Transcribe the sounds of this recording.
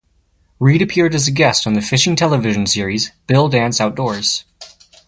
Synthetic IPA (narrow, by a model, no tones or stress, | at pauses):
ɹiɾɨpʰɪɹɾɨzɨɡɛstn̩ðɨfɪʃɪ̃ŋtʰɛlˠəvɪʒ̃n̩sɪɹizb̥ɪlˠdæ̃nsaʊt̚d̥ɔɹz̥